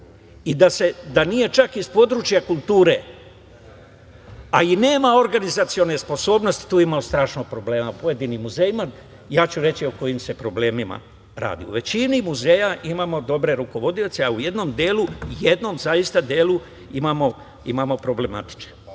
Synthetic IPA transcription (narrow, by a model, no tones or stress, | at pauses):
id̪ase̞d̪anije̞t͡ʃakispo̞d̪ɾut͡ʃijakulˠt̪uːɾe̞ | aine̞ːmao̞ɾɡanizat̪sio̞ne̞spo̞so̞ːbno̞st̪i̥t̪uːimaost̪ɾaːʃnoɡ̚pɾo̞ble̞ːmapo̞jed̪inimːuzejima | jaːt͡ɕuɾe̞t͡ɕio̞ko̞jimse̞pɾo̞ble̞ːmima̰ | ɾa̰ːd̪ḭṵʋe̞t͡ɕinimuze̞jaʔimaːmo̞d̪o̞bɾe̞ɾuko̞ʋo̞d̪iot̪seauje̞d̪no̞md̪eːlujed̪no̞mzaist̪ad̪eːlu | imamo̞ | imamo̞pɾo̞ble̞mat̪i̥t͡ʃne̥